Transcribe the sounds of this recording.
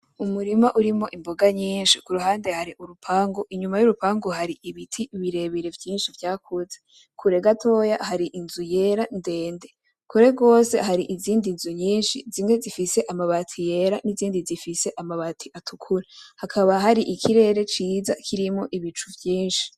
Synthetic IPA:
umuɾimaʔuɾimo̞ʔimbo̞ɡaɲiːnʃikuɾuɦaːnde̞haɾiʔuɾupʰaːŋɡoʔiɲumajuɾupaːŋɡoɦaɾiʔiβitʰiβiɾe̞βiɾevjiːnʃivjaːkʰuze | kʰuɾe̞ɡatʰo̞jahaɾiʔinzuje̞ɾande̞ːnde̞ | kuɾe̞ɡo̞ːse̞̰haɾiʔiziːndinzuɲiːnʃizimŋwe̞zifise̞ʔamaβatʰije̞ɾaniziːndizifise̞ʔamaβatʰiʔatʰukʰuɾahakʰaβaɦaɾiʔikʰiɾe̞ːɾe̞t͡ʃiːza̰kʰiɾimo̞ʔiβit͡ʃuvjiːnʃi̥

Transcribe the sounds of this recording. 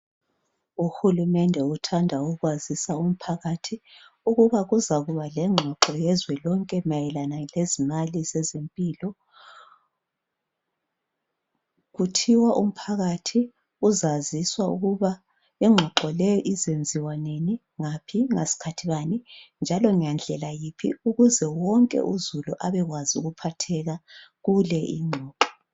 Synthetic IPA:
uxulumɛndʱɛutʰandʱauɣwazisaum̩pʰaɣatʰi | uɣuβaɣuzaɣuβalɛŋ͡ǁʱwaǃɔjɛzwɛlɔŋkʼɛmajɛlanalezimalizɛzempʼiːlɔ | ɣutʰiwaʔum̩pʰaɣatʰi | uzaziswaṵɣuβa | ɛŋ͡ǁʱwaǃɔlɛjɔʔizend͡zʱiwaneni | ŋapʰiŋesi̥kʰatʰiβanind͡ʒʱalɔŋiand͡ɮʱɛlajipʰḭuɣuzɛwɔŋkʼɛ̰ʔuzuluʔaβɛɣwazṵɣupʰatʰɛɣaɣulɛʔḭŋ͡ǃʱɔːǁɔ̥

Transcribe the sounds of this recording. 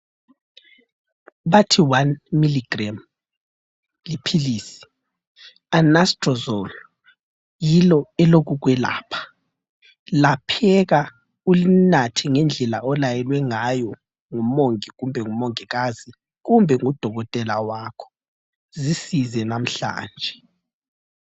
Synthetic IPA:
βatʰiwanmiliɡram | lipʰiliːsi̥ | anastʼrɔzɔl | jilɔɛloɣuɣwɛla̰ːpʰḁ | lapʰɛɣa | ulinatʰiŋɛnd͡ɮʱɛlaɔlajɛlwɛŋajɔ | ŋumoŋiɣumbʱɛŋumoŋiɣazi | ɣumbʱɛŋud̥ʱɔɣɔtʼɛlawakʰɔ̥ | zisizɛnam̩ɬa̰ːnd͡ʒʱɛ

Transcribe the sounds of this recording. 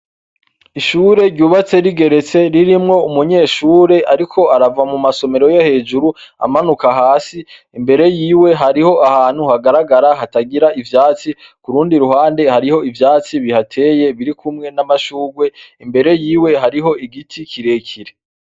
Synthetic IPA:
iʃuːɾe̞ɾɟuːβat͡se̞ɾiɡe̞ɾe̞t͡se̞ɾiɾimŋo̞umuɲe̞ːʃuːɾe̞ʔaɾikʰo̞aɾavamumaso̞me̞ɾo̞johe̞ːd͡ʒuɾua̰manukaɦaːsi | imbe̞ɾe̞jiːwe̞ɦaɾiho̞ahaːn̥huhaɡaɾaɡaɾaɦataɡiɾaʔivjaːt͡sikuɾuːndiɾuhaːnde̞haɾiho̞ivjaːt͡siβihatʰe̞ːje̞βiɾikʰumŋe̞namaʃuːɡwe̞imbe̞ɾe̞jiːwe̞ɦaɾiɦo̞iɡitʰikʰiɾe̞cʰiɾe

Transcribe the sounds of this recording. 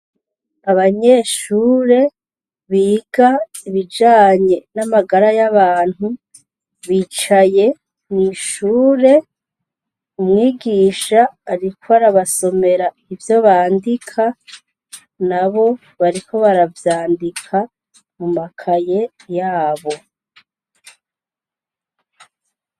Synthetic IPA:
aβaɲe̞ːʃuːɾe̞ | βiːɡ̥aiβid͡ʒaːɲe̞namaɡaɾajaβaːn̥hu | βiːt͡ʃaje̞ | niʃuːɾe̞ | umŋiːɡiːʃaːɾikʰoβaɾaβaso̞me̞ɾa | ivjo̞βaːndikʰa | naβo̞ | βaɾikʰo̞βaɾavjaːndikʰa | mumakʰaje̞jaːβo̞

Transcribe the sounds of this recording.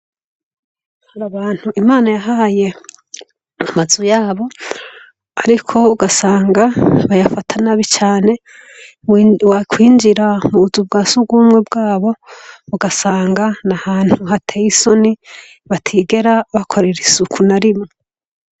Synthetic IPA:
haɾaβaːn̥huʔimaːnajaɦaje̞ | amazujaːβo̞ | aɾikʰo̞uɡasaːŋɡaβajafatʰanaβit͡ʃaːne̞ | wakʰwiːnd͡ʒiɾamuβuzub̚ɡaːsuɡuːmŋe̞bɡaːβo̞uɡasaːŋɡanahaːn̥huɦatʰeːjiso̞ni | βatʰiːɡe̞ɾaβakʰo̞ɾeɾisukʰunaɾimo

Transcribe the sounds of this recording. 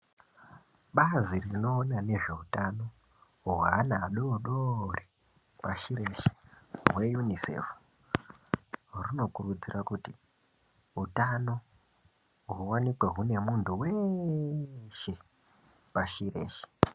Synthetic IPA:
ɓazirino̞ːnane̞ʐe̞utano̞ | wanaːɗoɗori | paʃiɾe̞ʃe̥ɦwejunisḛfu̥ | runo̞kurud͡zirʔakuti | ɦutano̞ | ɦuwanikweɦune̞muntuwe | ʃe̞ | paʃiɾe̞̰ːʃe̥

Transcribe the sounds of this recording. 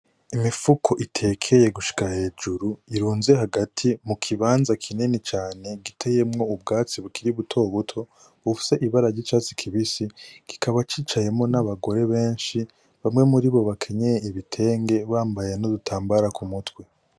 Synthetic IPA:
imifukʰo̞ʔitʰe̞ːkʰe̞je̞ɡuʃi̥kahe̞ːd͡ʒuɾuiɾuːnze̞ɦaɡatʰimukʰiβaːnzakʰinenit͡ʃaːne̞ɡitʰe̞je̞mŋo̞ubɡaːt͡siβukʰiɾiβutʰo̞βutʰo̞ | βufi̥se̞ʔiβaɾaɾɟit͡ʃaːt͡si̥kʰiβisiɡ̥i̥kʰaβat͡ʃiːt͡ʃaje̞mŋo̞naβaɡo̞ɾe̞βe̞ːnʃi | βamŋe̞muɾiβo̞βakʰe̞ɲe̞jeiβitʰe̞ːŋɡe̞βaːmbaje̞nodutʰaːmbaɾakumutwe

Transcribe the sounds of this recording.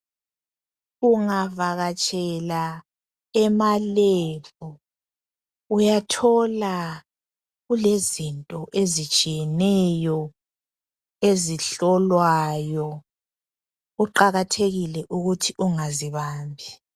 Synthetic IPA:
uŋavaɣat͡ʃʼɛla | ɛmalevu | ujatʰɔla | ɣulezintʼɔʔezit͡ʃʼijɛnɛjɔ | eziɬɔlwajɔ | uǃaɣatʰeɣilɛʔuɣutʰiʔuŋaziβaːmbʱi

